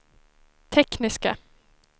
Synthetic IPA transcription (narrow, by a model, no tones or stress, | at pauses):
t̪ʰɛknɪska̰